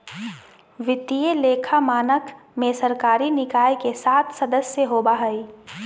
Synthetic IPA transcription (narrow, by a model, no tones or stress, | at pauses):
ʋɪt̪ijeleːkʰamaːnək | mẽsɐɾkaːɾinɪkaːjkesaːt̪ʰsɐd̪əsjəɦoːbaɦɐi